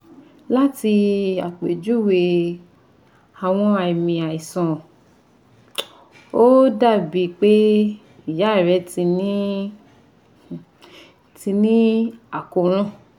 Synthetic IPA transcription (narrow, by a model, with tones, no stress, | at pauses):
la˦ti˧a̰˨k͡pe˨d͡ʒu˦we˧ | a˨w̃ɔ̃˧a˧i˨mĩ˨a˨i˨sɔ̃˨ | o˦da˦˨bi˨˦k͡pe˦ | i˨ja˨˦˨ɾɛ˨˧˦ti˧nĩ˦˨ | ti˧nĩ˦a˨ko˨ɾ̃ã˦